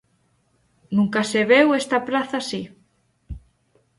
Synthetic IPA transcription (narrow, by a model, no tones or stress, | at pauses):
nũŋkaseβewest̪aplaθasi